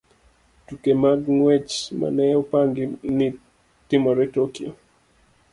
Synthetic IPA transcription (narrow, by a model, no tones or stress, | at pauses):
tukemaɡŋwɛt͡ʃma̰nɛopaŋɡɪnɪ | tɪmɔɾɛtokio